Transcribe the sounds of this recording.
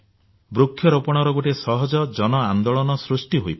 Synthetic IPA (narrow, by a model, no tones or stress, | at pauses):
bɾukʰːjɔɾopɔɽ̃ɔɾɔɡoʈesɔɦɔd͡ʒɔd͡ʒɔnɔand̪oɭɔnɔsɾusʈiɦojp